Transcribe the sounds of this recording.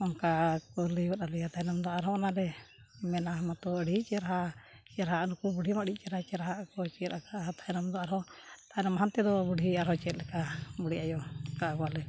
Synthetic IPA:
ɔnkakɔliwat̪alɛjat̪ajnamd̪ɔaɾɦɔɔnaɾɛmɛnaɦmat̪ɔəɽit͡ʃɛɾaɦat͡ʃɛɾaɦaʔnukubuɽimaɽit͡ʃɛɾat͡ʃɛɾaɦaʔkɔt͡ʃɛt̪akat̪aɛnamd̪ɔaɾɦɔt̪ajnamaɦant̪ɛd̪ɔbuɽʱiaɾɦɔt͡ʃɛɛt̪̚lɛkabuɽijʔajɔkakɔalɛ

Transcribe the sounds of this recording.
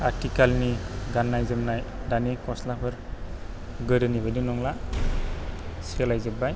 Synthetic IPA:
aɾtikalniɡanːajzɯmnajdanikɔslapʰɯɾ | ɡɯɾɯnibɯdinɔŋla | sialajzɯbaj

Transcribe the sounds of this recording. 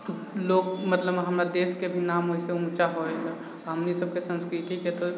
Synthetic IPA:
loːɡmət̪ləbɦəmɾad̪eːskebʱinaːmɦoiseũːt͡ʃaɦoeɡa | ɦəmnisəbkesə̃nskɾit̪iket̪o

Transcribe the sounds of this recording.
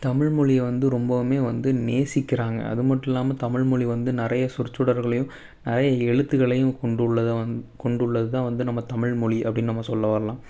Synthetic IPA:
t̪ɐmɪɻmʊɻɪjɛʋɐnd̪ɯɾɔmbɐmeːʋɐnd̪ɯneːsɪkːɪɾaːŋɡɐ̰ɐ̰ðɯmɐʈːɪlːaːmɐt̪ɐmɪɻmʊɻiʋɐnd̪ɯnɪɾɐjɐsʊɾt͡ʃːɯɽɐɾɣɐɭɐjɯ̃m | nɪɾɐjɐɛɻɯt̪ːɯɣɐɭɐjɯ̃mkɔɳɖɯɭːɐkɔɳɖɯɭːɐðɯt̪ãːʋɐnd̪ɯnɐmːɐt̪ɐmɪɻmʊɻiʔɐ̰pːɐɽɪnːɯnɐmːɐsɔlːɐʋɐːɾɐlãː

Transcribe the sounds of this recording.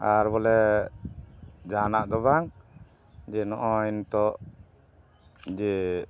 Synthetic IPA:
aɾbɔlɛ | d͡ʒaɦanaʔd̪ɔβaŋ | d͡ʒɛnɔʔɔint̪ɔʔ | d͡ʒɛ

